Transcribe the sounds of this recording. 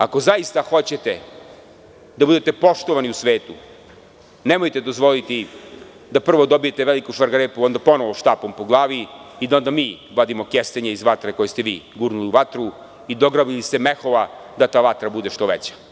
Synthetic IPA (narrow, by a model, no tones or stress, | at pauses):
ako̞zaist̪axo̞t͡ɕe̞t̪e | d̪abud̪et̪e̞po̞ʃt̪oʋaniusʋeːt̪u | nemojt̪ed̪o̞zʋo̞lit̪i | d̪apr̩ʋo̞d̪o̞bije̞t̪eʋelikuʃaɾɡaɾeːpuo̞nd̪apo̞noʋoʃt̪aːpompoɡlˠaːʋiid̪aond̪amiː | ʋod̪imo̞kjest̪eɲeizʋat̪ɾeko̞jest̪eʋiːɡuːɾnuliuʋat̪ɾu | id̪o̞ɡɾabilist̪emexoʋad̪at̪aːʋat̪ɾabud̪e̞ʃt̪o̞ʋḛt͡ɕḁ